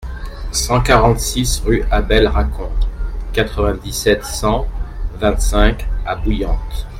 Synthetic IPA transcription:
sɑ̃kaʁɑ̃t̪sisʁyabɛlʁakʰɔ̃t̪kat̪χəvɛ̃d̪isɛt̪sɑ̃vɛ̃t̪sɛ̃kabujɑ̃t̪

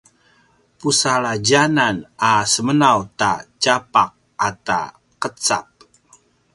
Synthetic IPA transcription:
pusaɭad͡ʒananasəmənawtat͡ʃapaq̚ | ata̰ | qət͡sa̰p̚

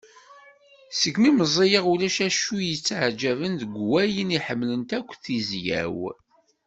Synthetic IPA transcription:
səkːmiməzˤijəʁulæʃæʃujət͡sːʕd͡ʒævənðəɡʷwæjəniħəmːlənt̪ækʷːθizjæ̰w

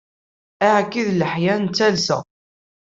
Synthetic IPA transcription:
æʕkːiðləħjænt͡sːælsə̰

